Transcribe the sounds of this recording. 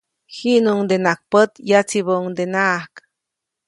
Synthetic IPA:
hiʔnuŋd̪enak̚pət̪jat͡sibəuŋd̪enaʔahk

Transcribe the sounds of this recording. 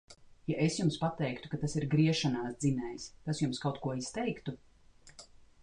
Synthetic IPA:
jaʔesjumspat̪ɛjkt̪u̥kat̪asiɾɡɾiɛʃanaːsd̪zinɛjst̪asjumskawt̪kuɔist̪ɛjkt̪u

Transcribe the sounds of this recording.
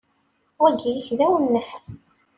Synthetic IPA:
ʊɡijəçðæwənːəf

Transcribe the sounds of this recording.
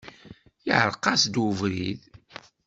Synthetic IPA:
jiʕəɾˤqɑsd̪wuvɾið

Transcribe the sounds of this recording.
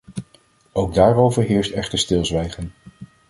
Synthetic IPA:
owɡ̚daːrowvəɹɦɪːɹstɛχtəstɪlˠzʋɛjχən

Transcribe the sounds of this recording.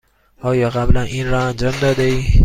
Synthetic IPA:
ɒːjɒːɣablanʔinɾɒand͡ʒɒmd̪ɒːd̪ei

